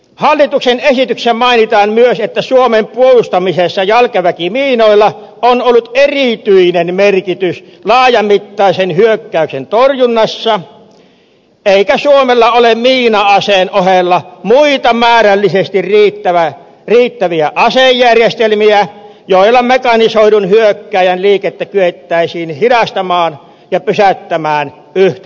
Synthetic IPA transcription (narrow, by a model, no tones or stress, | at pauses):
hɑlːit̪uksenesit̪yksæmɑinit̪ɑːmmyøset̪ːæsuomempuolust̪ɑmisesːɑjɑlkeʋækimiːnoˑilːɑ | onolːut̪erit̪yinenmerkit̪yslɑːjɑmit̪ːɑˑisenhyøkːæˑyksḛnt̪orjunːɑsːɑ | eˑikæsuomelːɑolemiːnɑɑseːnʔohelːɑmuit̪ɑmæːrælːisest̪irriːt̪ːæʋæ | riːt̪ːæʋiæʔɑsejjærjest̪elmiæ | joˑilːɑmekɑnisoˑidunhyøkːæˑːjænliːket̪ːækyet̪ːæˑisiːnhidɑst̪ɑmɑːn | jɑpysæt̪ːæmæːn | yht̪